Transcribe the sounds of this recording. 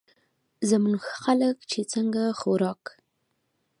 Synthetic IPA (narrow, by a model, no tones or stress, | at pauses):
zamuŋxxaləkt͡ʃet͡səŋɡaxoɾɑk